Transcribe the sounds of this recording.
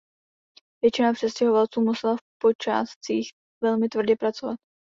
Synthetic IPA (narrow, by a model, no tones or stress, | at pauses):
vjɛt͡ʃɪnapr̥ɛscɛɦovalt͡suːmusɛlafpo̞t͡ʃa̰ːst͡siːx | vɛlmɪt̪vr̩ɟɛpɾat͡so̞vat̪̚